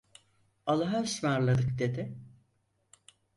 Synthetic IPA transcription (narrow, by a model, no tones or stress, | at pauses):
alˠaɦasmaɾlˠad̪ɯkd̪e̞d̪ɪ